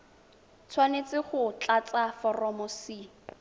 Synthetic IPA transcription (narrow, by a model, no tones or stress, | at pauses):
t͡sʰwanet͡sɪχʊt͡ɬat͡safɔrɔmɔsi